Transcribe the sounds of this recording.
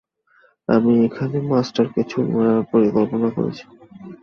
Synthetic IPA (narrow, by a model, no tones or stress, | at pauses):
amiekʰanemasʈaɾkit͡ɕʰumapoɾikolponako̰ɾḛt͡ɕʰi̥